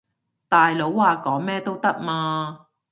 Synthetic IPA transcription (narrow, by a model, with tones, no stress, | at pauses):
t̪aː˨jlo˨˥wːaː˨kɔː˨˥ŋmɛː˥t̪o˥wt̪ɐ˥k̚maː˧